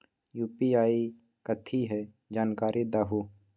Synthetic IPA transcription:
juːpiaːi | kət̪ʰiɦɛ | d͡ʒaːnkaːɾʔid̪aːɦuː

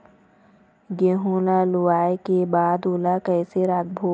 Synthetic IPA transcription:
ɡeːɦõːlalʊwaːjekebaːd̪oːlakɛːseɾaːɡ̚bʱoː

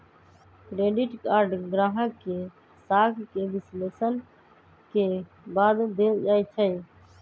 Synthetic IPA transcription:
kɾeːɖɪʈkaːɾɖɡɾaːɦə̃ke | saːkʰkeːʋɪsleːsən | keː | baːd̪d̪eːd͡ʒaːit͡ʃʰəi

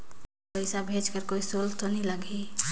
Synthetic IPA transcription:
pəɪsabʱeːd͡ʒkəɾkoːisolt̪onĩləɡʱi

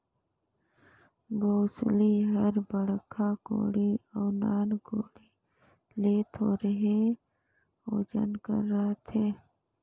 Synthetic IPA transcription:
boːsliɦəɾbəɽkʰaɡo̰ːɽiɔːnaːnɡoːɽi | leːt̪ʰoːɾəɦe | oːd͡ʒə̰nkə̰ɾːat̪ʰeː

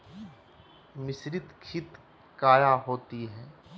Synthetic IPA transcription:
mɪsɾɪt̪kʰɪt̪ | kaːjãɦoːt̪iɦɛ̃ː

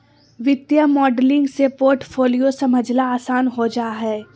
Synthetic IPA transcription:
ʋɪt̪jamɔːɖlɪ̃ŋɡsepoːɾʈfʰoːlijosɐməd͡ʒʱlaaːsaːnɦod͡ʒaːɦɛː

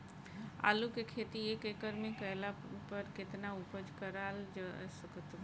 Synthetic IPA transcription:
a̰ːlukekʰeːt̪iekeːkəɾmẽkəjlapəɾkɪt̪nauːpəd͡ʒkəɾaːld͡ʒsəkət̪

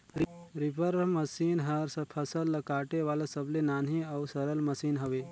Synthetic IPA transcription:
ɾɾipəɾməsiːnɦəɾspʰəsəlːəkaːʈeʋaːlasəblenaːniawsəɾəlməsiːnɦəʋe

